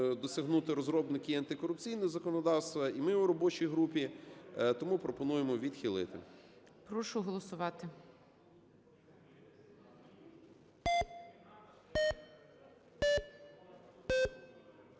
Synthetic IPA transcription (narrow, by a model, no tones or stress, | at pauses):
d̪ɔsʲɐɦnut̪ɪɾɔzɾɔbnɪkɪɐnt̪ɪkɔɾʊp̚t͡sʲijnɔɔzɐkɔnɔd̪ɑwst̪ʋɐimɪʊɾɔbɔt͡ʃijɦɾupʲit̪ɔmupɾɔpɔnujemɔʋʲid̪xʲilˠɪ̰t̪ɪ̰ | pɾɔʃʊɦɔlˠɔsʊʋɑt̪ɪ